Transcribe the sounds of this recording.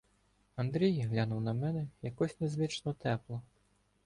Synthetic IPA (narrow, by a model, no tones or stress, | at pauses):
ɐnd̪ɾʲijɦlʲanuwnɐmɛnɛjɐkɔsʲnɛzʋɪt͡ʃnɔt̪ɛplˠɔ